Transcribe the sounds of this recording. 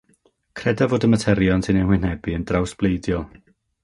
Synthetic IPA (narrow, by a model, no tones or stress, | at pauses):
kʰrɛdavoːdəmətʰɛɾjɔnsʰɪnɛnwɪn̥hɛbiəndrawsb̥lˠejdjɔlˠ